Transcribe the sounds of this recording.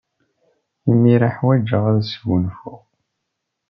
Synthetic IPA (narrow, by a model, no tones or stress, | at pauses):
imiɾaħwæd͡ʒəʁæðsɡənfʊʁ